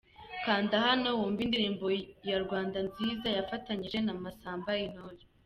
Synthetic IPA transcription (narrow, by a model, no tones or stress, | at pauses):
kaːndahano̞wuːɱvindiɾiːmbo̞jaɾɡwaːndanziːzajafataɲiʒe̞namasaːmbajin̥ojo